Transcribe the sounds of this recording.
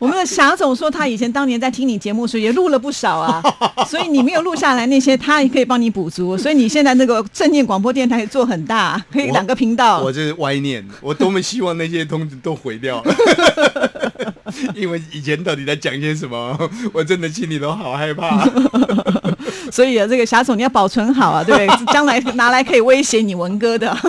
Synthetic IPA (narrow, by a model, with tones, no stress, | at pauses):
wɔ˨˩mə˦nd̪ə˧ɕja˧˥t͡sʊ˨˩ŋʂwɔ˥t̪ʰa˥i˨˩t͡ɕʰjɛ˧˥nt̪ɑ˥ŋjɛ˧˥nt͡sɪt̪ʰi˥ŋni˨˩t͡ɕjɛ˧˥mu˥˩ʂɻ̩˥jɛ˨˩lu˥˩lə˨˩p̬u˥˩ʂɑ˨˩ʊɐ˦swɔ˧˥i˨˧ni˨˩me˧˥ɪjo˨˩lu˥˧ɕja˥˩la˧ɪna˥˩ɕjɛ˥t̪ʰa˥˨˩kʰɤ˧˥i˨˩pɑ˥ŋni˧˥pu˨˩t͡su˧˥sɔ˧˥i˧ni˨˩ɕjɛ˥˧nt͡sa˥˧ɪnə˥˩ɡə˩ʂə˥˧njɛ˥˩nkwɑ˨˩ŋp̬wɔ˥t̪jɛ˥˩nt̪ʰa˥ɪ˨˩t͡swɔ˥˩xə˨˩nt̪a˥˩kʰɤ˧˥i˧˥ljɑ˨˩ŋɡə˦pʰi˧˥ŋt̪ɑ˥˩ʊwɔ˨˩ʂ̩˥˩wa˥ɪnjɛ̰˥˩nwɔ˨˩t̪o˥ʊme˧˥ɪɕi˦˥wɑ˥˧ŋna˥˩ɕjɛ˦t̪ʰʊ˧˥ŋt͡ɕu˧t̪o˦˥ʊxwe˧˥ɪt̪jɑ˥˩ʊ | i˥nwe˥˩ɪi˨˩t͡ɕʰjɛ˧˥nt̪ɑ˥˩ʊt̪i˨˩a˥˩t͡ɕjɑ˨˩ŋi˨˩ɕjɛ˥ʂ̬ə˧˦nmə˦wɔ˨˩t͡sə˧˥nd̪ə˨t͡ɕʰi˥˩nni˨˩t̪o˥ʊxɑ˨˩ʊxa˥˧ɪpʰa˥ | swɔ˧˥i˨˩ə˦˩ʈ͡ʂɤ˥˩ɡə˩ɕja˧˥t͡sni˨˩jɑ˥˩pɑ˨˩ʊt͡sʰwə˧˥nxɑ˨˩ʊɐ˦we˥˧˥b̪t͡ɕjɑ˥ŋla˧˥ɪna˧˥la˧˥ɪkʰɤ˧˥i˨˩we˥ɪɕjɛ˧˥ni˨˩wə˧˥nkɤ˥d̪ə˨